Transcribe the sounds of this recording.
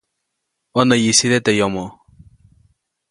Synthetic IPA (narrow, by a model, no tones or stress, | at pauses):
ɔnajisiɾɛt̪ɛjɔmɔ